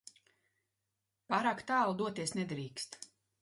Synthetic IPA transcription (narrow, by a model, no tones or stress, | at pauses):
paːɾaːkt̪aːlˠd̪uɔt̪iɛsnɛd̪ɾiːkst̪